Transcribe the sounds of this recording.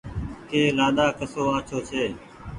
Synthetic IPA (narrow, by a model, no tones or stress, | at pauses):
keːlaːɗ̪aːkəsoːaːt͡ʃʰoːt͡ʃʰeː